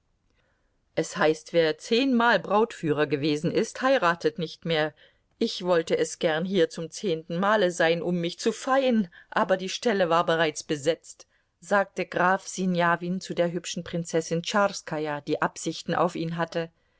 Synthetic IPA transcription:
ʔɛshaɪstv̥eːɐt͡seːnmaːlbʁaʊtfyːʁ̞ɐɡəveːzn̩ʔɪsthaɪʁaːtətnɪçtmeːɐ | ʔɪçv̥ɔltəʔɛsɡ̥ɛɐnɦiːɐt͡sʊmt͡seːntn̩maːləzaɪnʔʊmːɪçt͡sufaɪənʔaːbɐdiːʃtɛləvaːɐbəʁaɪt͡sb̥əzɛt͡st | z̥aːk̚təɡʁaːfz̥injaːviːnt͡sudeːɐɦʏpʃn̩pʁ̥ɪnt͡sɛsɪnt͡ʃaskʰaɪad̥iːʔapz̥ɪçtn̩ʔa̰ʊfʔiːnɦatə

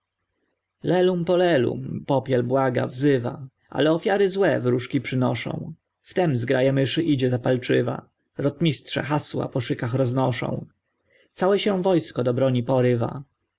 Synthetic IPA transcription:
lɛlumpɔlɛlṵmpɔpʲjɛlbwaɡa̰vzɘva̰ | ʔa̰lɛɔfʲjaɾɘzwɛvɾuʂkʲipʂɘnɔʂɔ̰̃w̃ | ft̪ɛmzɡɾajɛmɘʂɘʔid͡ʑɛzapalt͡ʂɘva̰ | ɾɔt̪mʲistʂɛ̰xaswa̰pɔʂɘkaxɾɔznɔʂɔ̰̃w̃ | t̪sawɛɕɛ̃vɔjskɔd̪ɔbɾɔɲipɔɾɘva̰

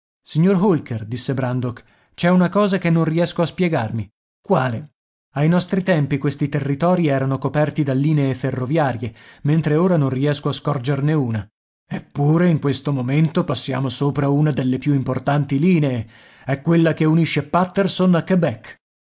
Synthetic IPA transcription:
siɲːorɦulkerd̪isːebɾand̪ok | t͡ʃɛunakɔːzakenːõnriɛskoaspjɛɡarmi | kwaːle | ajnɔst̪ɾit̪ɛmpikwest̪it̪erːit̪ɔːɾiɛːɾanokopɛrt̪id̪alːiːneːferːovjaːɾjement̪ɾeoːɾanõnriɛskoaskɔrd͡ʒerneuːna | epːuːɾeiŋkwest̪omoment̪opasːja̰ːmosoːpɾaunad̪elːepjuimport̪ant̪iliːneː | ɛkːwelːakeuniʃːepat̪ːersonakːebɛkː

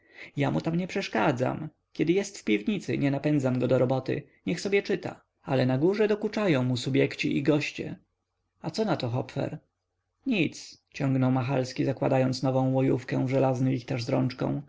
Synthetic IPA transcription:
jamut̪amɲɛpʂɛʂkad̪za̰m | kʲjɛd̪ɘjɛst̪fpʲivɲit̪sɘ̰ɲɛnapɛnd̪zamɡɔd̪ɔɾɔbɔt̪ɘ̰ | ɲɛxsɔbʲjɛt͡ʂɘt̪a̰ | alɛnaɡuʐɛd̪ɔkut͡ʂajɔ̃w̃musubʲjɛkt͡ɕiʔiɡɔɕt͡ɕɛ̰ | at̪sɔnat̪ɔxɔpfɛ̰ɾ | ɲit̪st͡ɕɔŋɡnɔwmaxalskʲizakwa̰d̪ajɔnt̪snɔvɔ̃w̃wɔjufkɛ̰̃w̃vʐɛlaznɘvʲixt̪aʐzɾɔnt͡ʂkɔ̰̃w̃

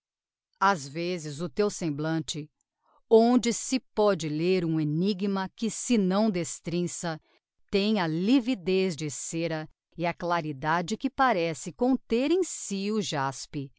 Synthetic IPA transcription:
azvezɪzʊt̪ewsẽmblɐ̃nt͡ʃɪ | õd͡ʒɪsɪpɔd͡ʒɪleɾũeniɡmɐkɪsɪnɐ̃w̃d̪est̪ɾĩsɐ | t̪ẽj̃ɐlivid̪ezd͡ʒɪseɾɐ | ɪɐklaɾid̪ad͡ʒɪkɪpaɾɛsɪkõnt̪eɾẽj̃siʊʒaspɪ

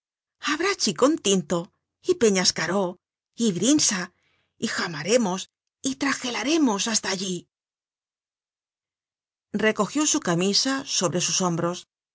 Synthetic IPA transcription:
aβɾat͡ʃiko̞nt̪int̪o̞ | ipe̞ɲaskaɾo̞ | iβɾinsa | ixamaɾe̞mo̞s | it̪ɾaxe̞laɾe̞mo̞sast̪aːʎi | re̞ko̞xjo̞sukamisaso̞βɾe̞suso̞mbɾo̞s

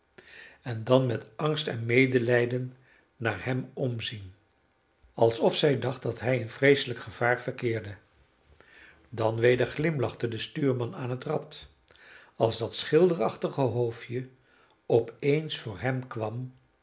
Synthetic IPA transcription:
ɛndɑnmɛtɑŋstɛnmejdəlɛjdənː | aːɹɦɛmɔmzin | ɑlˠsɔfsɛjdɑχt̚dɑtɦɛjənvrejsələkχəv̥aːɹvəɹkɪːɹdə | dɑnʋejdəɹχlɪmlɑχtədəstyːɹmɑnaːnɦətrɑt | ɑlˠzdɑtsχɪlˠdərɑχtəχəɦowfjə | ɔpejnsfʊːɹɦɛmkʋɑm

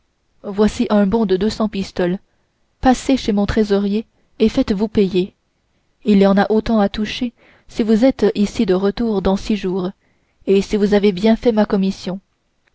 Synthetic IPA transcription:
vwasiʔɛ̃bɔ̃d̪əd̪øsɑ̃pist̪ɔl | paseʃemɔ̃t̪χezɔʁje | efɛt̪vupɛje | ilijɑ̃naʔot̪ɑ̃at̪uʃe | sivuzɛt̪isid̪əʁət̪uːʁd̪ɑ̃siʒuːʁ | esivuzavebjɛ̃fɛmakɔmisjɔ̃

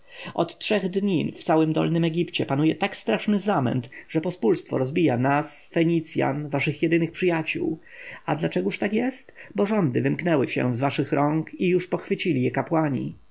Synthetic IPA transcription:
ʔɔt̪tʂɛɣd̪ɲift̪sawɘmd̪ɔ̰lnɘmɛɡʲipt͡ɕɛpanujɛt̪akst̪ɾaʂnɘzamɛ̰nt̪ʐɛpɔspulst̪fɔ̰ɾɔzbʲijanasfɛɲit̪sʲja̰nvaʂɘxjɛd̪ɘnɘxpʂɘjat͡ɕṵw | ad̪lat͡ʂɛɡuʂt̪akjɛst̪bɔʐɔnd̪ɘvɘmknɛwɘɕɛ̰vzvaʂɘxɾɔŋkijuʂpɔxfɘt͡ɕilʲijɛkapwaɲḭ

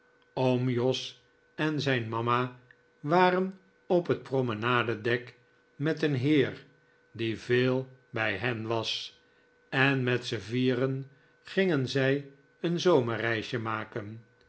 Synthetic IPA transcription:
omjɔs | ɛnzɛjnmɑma | ʋaːrən | ɔpɦət̚promənaːdədɛk | mɛtənɦɪːr | diveːlˠbɛjɦɛnʋɑs | ɛnmɛtsəviːrən | χɪŋənzɛj | ənzowmərɛjʃjəmaːkən

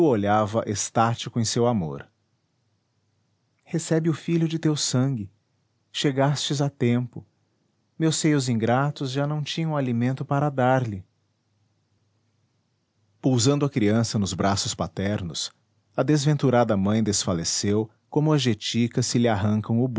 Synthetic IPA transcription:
oʎavɐʔest̪at͡ʃikʊẽj̃sewamo̰ɾ | hesɛbɪʊfiʎʊd͡ʒɪt̪ewsɐ̃ŋɡɪ | ʃeɡast͡ʃɪzat̪ẽmpʊ | mewsejʊzĩɡɾat̪ʊzʒanɐ̃w̃t͡ʃĩɲɐ̃w̃alimẽnt̪ʊpaɾɐd̪aɾlɪ | puwzɐ̃nd̪ʊɐkɾiɐ̃sɐnʊzbɾasʊspat̪ɛɾnʊs | ɐd̪ezvẽnt̪uɾad̪ɐmɐ̃j̃d̪esfalesew | kõmʊɐʒet͡ʃikɐsɪlɪaɦɐ̃ŋkɐ̃w̃ʊb

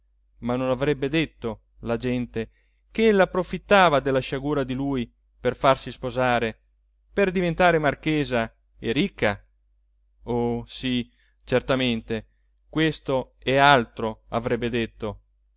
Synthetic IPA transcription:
manːonavɾɛbːed̪et̪ːo | lad͡ʒɛnt̪e | keelːaːpːɾofit̪ːaːvad̪elːaʃaɡuːɾad̪iluːj | perfarsispozaːɾe | perd̪ivent̪aːɾemarkeːza | eɾikʰːa | osi | t͡ʃert̪ament̪e | kwest̪oealt̪ɾoa̰vɾɛbːed̪et̪ːo

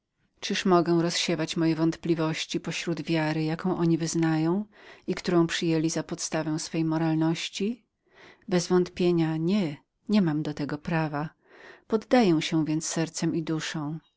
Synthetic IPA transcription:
t͡ʂɨʂmɔɡɛw̃ɾɔsɕɛvat͡ɕmɔjɛvɔnt̪plʲivɔɕt͡ɕipɔɕɾud̪vʲjaɾɘjakɔ̃w̃ʔɔɲivɘznajɔ̃w̃ikt̪uɾɔ̃w̃pʂɘjelʲizapɔt̪st̪avɛw̃sfɛjmɔɾalnɔɕt͡ɕi | bɛzvɔnt̪pʲjeɲaɲɛ | ɲɛmamd̪ɔt̪ɛɡɔpɾava | pɔd̪ːajɛw̃ɕɛ̃vʲjɛnt̪sːɛɾt̪sɛmʔid̪uʂɔ̃w̃

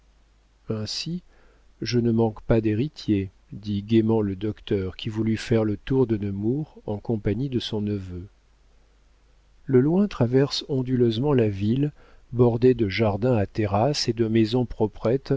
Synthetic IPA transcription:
ɛ̃si | ʒənəmɑ̃kpad̪eʁit̪je | d̪iɡʲemɑ̃ləd̪ɔkt̪œʁkʲivulyfɛʁlət̪uʁd̪ənəmuʁɑ̃kɔ̃paɲid̪əsɔ̃nəvø | ləlwɛ̃t̪χavɛʁsɔ̃d̪yløzmɑ̃lavilbɔʁd̪ed̪əʒaʁd̪ɛ̃at̪eʁased̪əmɛzɔ̃pχɔpχɛt̪

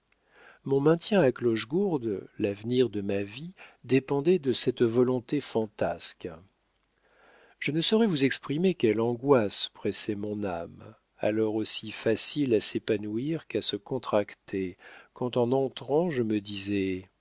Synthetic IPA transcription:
mɔ̃mɛ̃t̪jɛ̃aklɔʒɡuʁd̪lavniʁd̪əmavid̪epɑ̃d̪ɛd̪əsɛt̪vɔlɔ̃t̪efɑ̃t̪ask | ʒ̥ənəsɔʁɛvuzɛkspχimekʲɛlɑ̃ɡwaspχɛsɛmɔ̃nam | a̰lɔʁosifasilasepanuiʁkasəkɔ̃t̪χakt̪ʰekɑ̃t̪ɑ̃nɑ̃t̪χɑ̃ʒəməd̪izɛ

